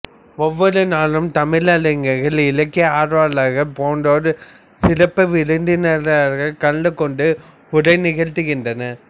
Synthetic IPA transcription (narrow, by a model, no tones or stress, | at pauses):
ɔʋːɔɾɯnaːlɯmt̪ɐmɪlɐlɐŋɡɐɪɣɐɭɪlɐkːɪaːɾʋaːlaːɣɐpoːɳɖoːɾɯ | sɪɾɐpːɐʋɪɻɯnd̪ɪnɐlaːɣɐkɐɭɖɯkɔɳɖɯ | ʊɽɐɪnɪɣɐɻt̪ɯɣɪndrɐnɐ